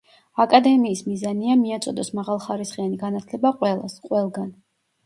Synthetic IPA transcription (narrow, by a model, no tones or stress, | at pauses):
akʼad̪ɛmiːsmizaniamiat̪sʼɔd̪ɔsmaʁalˠχaɾisχianiɡanat̪ʰlɛbaqʼwɛlˠa̰sqʼwɛlˠɡan